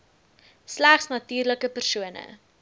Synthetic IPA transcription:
slæχsnɐtyːrləkəpərsuənə̰

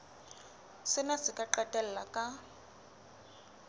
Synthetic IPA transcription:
sɪnasɪkʼaǃatʼɛl̩lakʼa

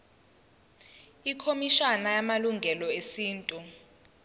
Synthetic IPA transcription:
ikʰomiʃanajamaluŋɡʱɛlɔesiːntʼu

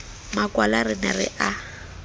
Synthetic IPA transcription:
makʼwalarɪnɛrɪ̰ʔa

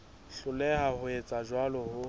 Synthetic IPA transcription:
ɬʊlɛhahʊet͡sʼaʒwalɔhʊ

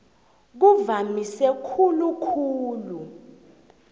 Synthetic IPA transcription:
k̬uvamisɛkʰulukʰuːlu

